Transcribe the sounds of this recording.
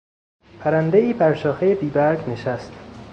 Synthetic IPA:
pʰæɾænd̪eiːbæɾʃɒːxejebiːbæɾɡne̞ʃæst̪

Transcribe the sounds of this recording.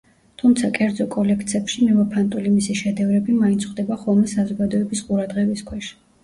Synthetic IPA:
t̪ʰumt̪sʰakʼɛɾd̪zɔkʼɔlɛk̚ʰt̪sʰɛpʃimɛvapʰant̪ʼulimisiʃɛd̪ɛvɾɛbimaint̪sʰχwd̪ɛbaχɔlˠmɛsazɔɡad̪ɔɛbisqʼuɾad̪ʁɛbiskʰwɛʃ

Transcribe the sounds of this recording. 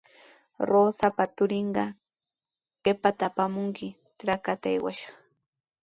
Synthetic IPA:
ɾoːsapat̪ʊɾɪɴɢɑ | ɢ̥epat̪apamʊŋkɪ | tɾakat̪aḛjwa̰ʃɑ̥χ

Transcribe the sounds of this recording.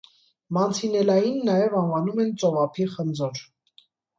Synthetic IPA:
mɑnt͡sʰinɛlɑjinːɑjɛvɑnvɑnumɛnt͡sɔvɑpʰiχənd͡zɔɾ

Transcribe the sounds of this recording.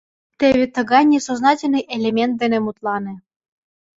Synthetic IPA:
t̪eβʲet̪ə̆ɣɑjnʲesoznɑtʲɪlʲnɨjʔelʲemʲent̪̚d̪enʲemut̪lˠɑnĕ

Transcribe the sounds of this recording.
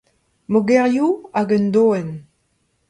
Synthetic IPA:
moɡɛʁjuaɡənd̪oːɛn

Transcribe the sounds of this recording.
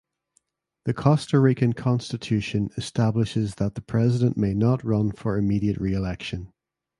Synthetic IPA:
ðəkʰɔstəɹɪkə̃nkʰɔ̃nstɪtʰʉʃə̃nɪstablɪʃɪzðət̪̚ðəpʰɹ̥ɛzɪdə̃nʔmenəʔɹʌ̃nfə˞ɪmiɾiəʔɹiɪlɛkʃə̃n

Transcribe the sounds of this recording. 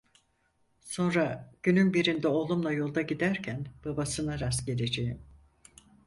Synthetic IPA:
so̞nɾaɟ̥ynynbiɾind̪ɛo̞lˠumlˠajo̞lˠd̪aɟid̪æɾcʰænb̥abasɯnaɾasɟe̞lʲe̞d͡ʒe̞jim

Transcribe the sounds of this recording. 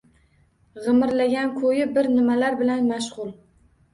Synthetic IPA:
ʁɨmɪɾlaɡʲankʰɵjɪbɪɾnɪmalaɾbɪlanmaʃʁʊlˠ

